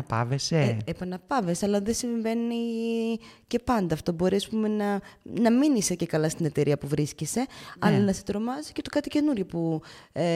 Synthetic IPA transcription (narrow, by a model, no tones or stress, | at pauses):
pɐ̰veseepɐnɐpɐveseɐlɐðesiɱve̞ni | ce̞pɐnd̪ɐft̪o̞bo̞ɾiɐspume̞nɐnɐminisece̞kɐlɐst̪ine̞t̪e̞ɾiɐpuvɾiscise̞ɐlɐnɐset̪ɾo̞mɐzi̥ce̞t̪okɐt̪ice̞nuɾʝopue